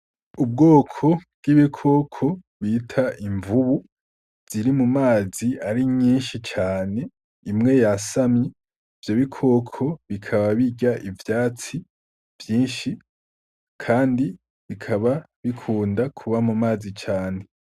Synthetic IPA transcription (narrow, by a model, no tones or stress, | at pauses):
ub̚ɡo̞ːkʰo̞bɡiβikʰo̞ːkʰo̞ | βitʰaʔiɱvuβu | vz̥iɾimumaːziaɾiɲɲiːnʃit͡ʃaːne̞ | imŋe̞jasamɲe | vjoβikʰo̞ːkʰo̞βikʰaβaβiɟaʔivjaːt͡si | vjiːnʃi | kʰaːndi | βikʰaβa | βikʰuːndakʰuβamumaːzit͡ʃaːne̞